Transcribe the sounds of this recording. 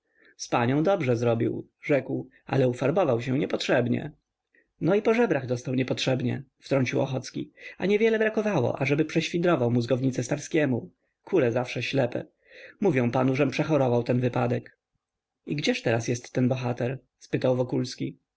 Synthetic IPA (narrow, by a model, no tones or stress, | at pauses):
spaɲɔ̃w̃d̪ɔbʐɛzɾɔbʲḭw | ʐɛkw | a̰lɛufaɾbɔvawɕɛ̃ɲɛpɔtʂɛbɲɛ̰ | nɔipɔʐɛbɾaɣd̪ɔst̪awɲɛpɔtʂɛbɲɛft̪ɾɔɲt͡ɕiwɔxɔt̪skʲḭaɲɛvʲjɛlɛbɾakɔvawɔ̰ʔaʐɛbɘpʂɛɕfʲid̪ɾɔvawmuzɡɔvɲit̪sɛst̪aɾskʲɛmu | kʰulɛzafʂɛɕlɛpɛ̰ | muvʲjɔ̃w̃panuʐɛmpʂɛxɔɾɔvawt̪ɛnvɘpad̪ɛk | iɡd͡ʑɛʂt̪ɛɾasjɛst̪ːɛnbɔxat̪ɛɾ | spɘt̪awvɔkulskʲi